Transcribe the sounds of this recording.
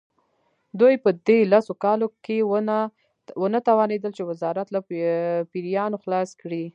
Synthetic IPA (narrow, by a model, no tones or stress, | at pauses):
d̪ujpəd̪elasokɑloke | wənat̪awɑned̪əlt͡ʃewɪzɑɾat̪lapiɾijɑnoxlɑskɽi